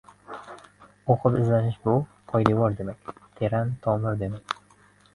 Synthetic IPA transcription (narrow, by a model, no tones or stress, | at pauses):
oqʰɨpɪzlanɪʃbʊ | qʰɒjlɪbɒɾd̪e̞makʲt̪ʰe̞ɾant̪ʰɒmɪɾd̪e̞makʲ